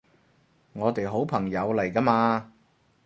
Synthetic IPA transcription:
ŋɔː˨˧t̪e˨jɦo˨˥wpʰɐ˨˩ŋjɐ˨˧wlɐ˨˩jka˧˥maː˧

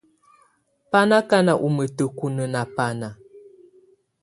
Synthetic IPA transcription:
pa˦na˦ka˦na˨ʔu˨mə˨tə˨ku˦˨nə˨na˨pa˦na˨

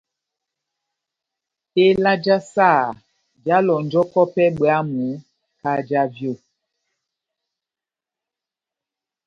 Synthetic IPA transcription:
e˦la˦d͡ʒa˦saː˦˨ | d͡ʒa˦lɔ˨n˨d͡ʒɔ˦kɔ˦pɛ˦ɓwa˦mu˨˦ | ka˦d͡ʒa˦vjo˦˨

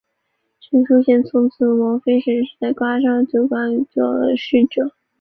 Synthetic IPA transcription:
ʈ͡ʂi˧˥ŋʂu˥ɕjɛ˥˩nt͡sʰʊ˧˥t͡s̩ʰ˥mɔ˧˥fe˥ɪʂə˧˥nʂɻ̩˥˧t͡sa˥˩ɪkwa˥ʂɑ˥˩ŋə˩t͡ɕjo˨˩ʊkwa˥n˩t͡ɕo˨˩˧ʂɻ̩˥˩ʈ͡ʂɤ˨˩˦

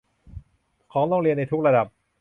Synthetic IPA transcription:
kʰɔː˩˦ŋlɔː˥˧˩ŋɾi˧ənːa˧jt̪ʰu˥k̚ɾa˧da˨˩p̚

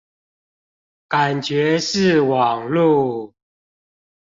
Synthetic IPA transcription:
ka˨˩nt͡ɕɥɛ˨˦ʂɻ̩˥˨wɑ˨˩ŋlu˥˨

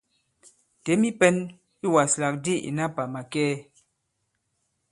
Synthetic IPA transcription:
te˨˦mi˦pɛ˦n | i˦˨wa˨sla˨k̚di˦˨ḭ˨na˦pa˨ma˨kɛː˦

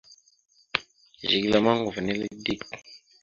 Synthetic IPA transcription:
ʒʒi˨ɡla˨ma˦ŋɡu˨vni˦li˦di˦˨k

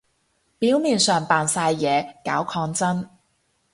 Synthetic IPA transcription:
piː˨˥wmiː˨nsœː˨˩ŋpaː˨˩nsaː˧jːɛː˨˧ka̰ː˨˥wkʰɔː˧ŋt͡sɐ˥n

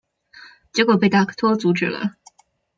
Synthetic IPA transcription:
t͡ɕjɛ˧˥kwo˨˩pe˥˩ɪt̪a˥˩kʰt̪ʰwɔ˥t͡su˧˥ʈ͡ʂɻ̩˥˩lə̰˩

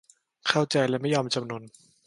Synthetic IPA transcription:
kʰa˥˩wt͡ɕa˧jlɛ˦˥ma˥˩jːɔː˧mt͡ɕa˧mnu˧n

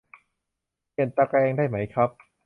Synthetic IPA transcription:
pi˨˩ənt̪a˧˥kɾɛː˧ŋdaː˥˩jma˦˥jkʰɾa˦˥p̚

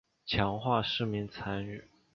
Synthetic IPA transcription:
t͡ɕʰjɑ˧˥ŋxwa˥˧ʂɻ̩˥˩mi˧˥ŋt͡sʰa˧˥ny˥˩˦

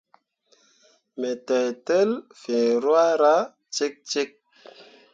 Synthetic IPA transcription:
me˨tɛ˨jte˦lfẽ˨ɾwa˦ɾa˦ | t͡ʃe˦k̚t͡ʃe˦k̚

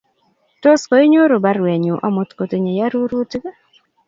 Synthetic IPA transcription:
to˦sko˨ɪ˦ɲo˦ɾo˨ba˦rwe˨ɲu˨ʔa˨mo˨t̪ko˨te˨ɲe˨ja˦ɾu˦ɾu˦tk

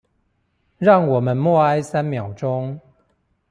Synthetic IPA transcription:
ɻɑ˥˨ŋwɔ˨˩mə˨˦nmwɔ˥˨a˦ɪsa˦nmjɑ˨˩ʊʈ͡ʂʊ˦ŋ

